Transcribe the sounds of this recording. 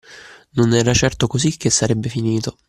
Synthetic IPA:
nonɛːɾat͡ʃɛrt̪okozik̟ːesːaɾɛbːefiniːt̪o

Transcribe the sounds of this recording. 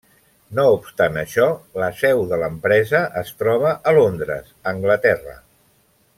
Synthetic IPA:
noupst̪anəʃɔləsɛwðələmpɾɛzəʔəst̪ɾɔβ̞əʔəlond̪ɾə̰səŋɡlət̪ɛrə̰

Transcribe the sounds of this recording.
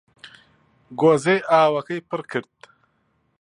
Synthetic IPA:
ɡozeaːwɐkəjpəɾkʰɪɾt̪

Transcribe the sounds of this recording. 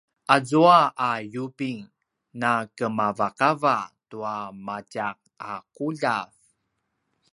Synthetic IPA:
ʔazuaʔajupiŋ | nakəmavakavatuamacaq̚akuʎav

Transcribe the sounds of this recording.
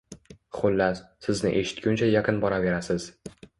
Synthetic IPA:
χʊlːasɪznɪ̰ʔe̞ʃɪ̥t̪̚kʲʊnt͡ʃʰajaqʰɨnbɒɾave̞ɾasɪz̥

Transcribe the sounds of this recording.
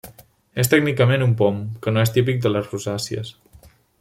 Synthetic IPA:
est̪ɛɡnikəmenumpɔmkənoest̪ip̬ik̚d̪ələzruzasiə̰s

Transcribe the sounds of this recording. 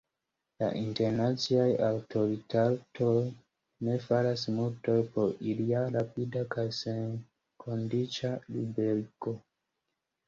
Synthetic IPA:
la̰ʔinte̞ɾnat͡siajawto̞ɾitatʰo̞j | ne̞faɾasmulto̞jpo̞ɾiliaɾapidakajsen | kʰo̞ndit͡ʃalibeɾiko̞

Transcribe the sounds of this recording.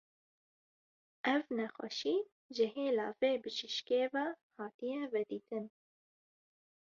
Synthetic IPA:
ʔɛvnɛxʷɛ̰ʃiː | ʒɨɦeːlɑ̰ːveːbɨʃɨʃkeːvɛ | hɑːt̪ijɛvɛd̪iːt̪ɨn

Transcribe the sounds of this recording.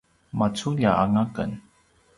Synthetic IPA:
mat͡suʎjaaŋakə̰n

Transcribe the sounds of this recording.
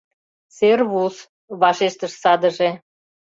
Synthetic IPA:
serβus | βɑʃeʃt̪əʃsɑd̪əʒe

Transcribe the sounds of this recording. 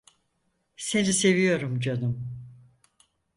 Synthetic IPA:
se̞nise̞vijo̞ɾumd͡ʒanum

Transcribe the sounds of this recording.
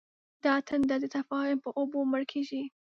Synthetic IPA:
d̪̥ɑt̪ʰand̪ɑd̪ət̪afɑhʊmpəʔoboməɽkʰeʒi

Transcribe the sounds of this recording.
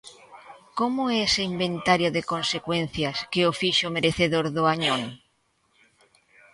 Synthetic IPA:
komʊɛeseimbẽnt̪aɾjoðekonsekwen̟θjɐskeofiʃomeɾeθeðoɾðʊaɲõŋ

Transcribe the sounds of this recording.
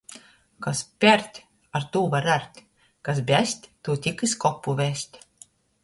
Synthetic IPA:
kaspʲæɾt̪ʲ | aɾt̪uːvaɾæɾt̪ʲ | kas̬bʲæsʲt̪ʲt̪uːt̪ʲikɨskɔpːuvʲæsʲt̪ʲ

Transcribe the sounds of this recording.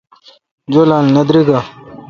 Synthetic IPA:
d͡ʑolaːlnɐd̪ɾiɡa

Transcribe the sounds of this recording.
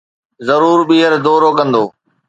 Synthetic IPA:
zɐɾuːɾɓiːɦəɾd̪oːɾoːkɐ̃nd̪oː

